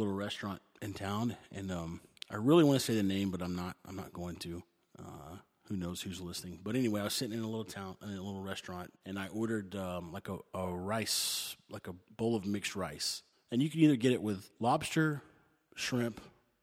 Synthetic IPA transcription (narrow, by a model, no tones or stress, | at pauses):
lɪɾl̩ˠɹɛstɹ̥ɑ̃nt̚ɨ̃ntʰãʊ̃nɨ̃nʌ̃mʔaɪɹɪlˠiwɑ̃nɨseɪðɨnẽɪ̃mbʌɾãɪ̃mnəɾ̚ã̰ɪ̃mnə̰t̚ɡ̥oʊɪ̃ŋtʰʉ | ʌ̰ | hʉnoʊz̥hʉzlɪsnɪ̃ŋbʌɾɛniweɪaɪwʌz̥sɪɾɪ̃ŋɨ̃nəlɪɾl̩ˠtʰãʊ̃ñnəlɪɾl̩ˠɹɛstɹ̥ɑ̃nt̚ɨ̃naɪʔɔɹɾə˞dʌlaɪkəəɹaɪslaɪkəbʊlˠʌvmɪkst̚ɹaɪs | ɨ̃njɨkʰɨniðə˞ɡɛɾɨʔwɪðlɑb̥stə˞ | ʃɹɪ̃mp